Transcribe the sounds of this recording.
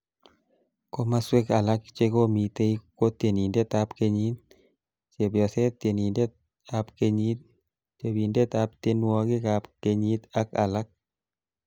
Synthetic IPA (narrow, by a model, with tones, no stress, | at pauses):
ko˦ma˦swe˦ka˨la˦kt͡ʃe˦ko˦mi˨t̪e˦i˦ko˦t̪je˨ni˨nde˦t̪apke˦ɲi˦t̪ | t͡ʃe˨bjɔ˨se˦t̪e˨ni˨nde˦ | apke˦ɲi˦t̪̚ | t͡ʃe˨bi˨nde˦t̪a˦p̚t̪e˦nwɔ˦kɪ˦kapke˨ɲi˦t̪a˦ka̰˨la˦k̚